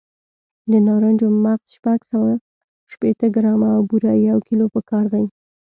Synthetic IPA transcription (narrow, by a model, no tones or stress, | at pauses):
d̪ənɑɾand͡ʒomaqz̥ʃpaɡsawa | ʃpet̪əɡɾɑmaːwbuɾajawkilopəkɑɾd̪aj